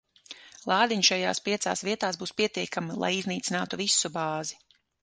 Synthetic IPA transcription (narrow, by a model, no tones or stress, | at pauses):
lˠɑːd̪iɲʃaja̰ːspiɛt̪sa̰ːsviɛt̪aːsbuːspiɛt̪iɛkamlˠa̰jizniːt̪sinaːt̪uvisubaːzi